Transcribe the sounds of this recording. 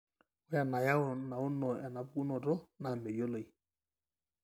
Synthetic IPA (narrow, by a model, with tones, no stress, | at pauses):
wa˨na˨ja˦ʊ˨na˨ʊ˦nɔ˨ɛ˨na˨bku˦nɔ˨dɔ˦na˨me˨jo˦lo˨i˨